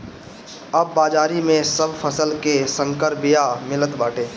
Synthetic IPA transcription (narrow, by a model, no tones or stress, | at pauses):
ɐbːaːd͡ʒaːɾimẽsəbpʰəsəlkesə̃ŋkəɾbɪjamɪlət̪baːʈeː